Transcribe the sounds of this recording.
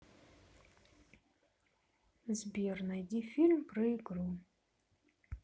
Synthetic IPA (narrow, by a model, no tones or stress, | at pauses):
zbʲirnajdʲifilʲmpʰrɨiɡɾu